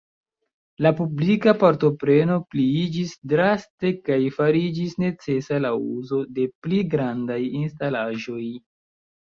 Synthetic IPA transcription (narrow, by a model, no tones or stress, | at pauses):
lapublikapaɾto̞pɾe̞no̞pliid͡ʒisdɾaste̞kajfaɾid͡ʒisne̞t͡se̞salauzo̞de̞pliɡɾandajinstalaʒo̞j